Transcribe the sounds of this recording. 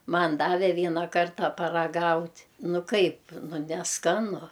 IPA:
ˈmɐn ˈdɑːʋʲɛ ˈʋʲiɛnɑː ˈkɐrtɑː pɐrɐˈɡɐʊtʲ ˈnʊ ˈkɐɪp ˈnʊ nʲɛˈskɑːnʊ

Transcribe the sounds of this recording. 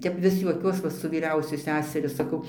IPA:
ˈtʲɛp ˈʋʲɪs juɔˈkʲuɔs ʋɐ sʊ ʋʲiːˈrʲɛʊsʲʊ ˈsʲæːsʲɛrʲʊ sɐˈkɐʊ

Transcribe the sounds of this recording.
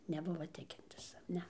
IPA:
nʲɛˈbʊʋɐ ˈtʲɪkʲɪnʲtʲɪs ˈnʲɛ

